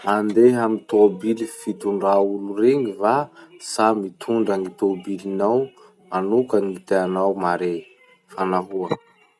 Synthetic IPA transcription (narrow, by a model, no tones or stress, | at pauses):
and̪eɦamit̪obilifit̪uɳɖ͡ʐauluɾeŋivasamit̪ʰuɳɖ͡ʐaŋit̪obilinaw | manukanit̪eanawmaɾe | fanaɦuə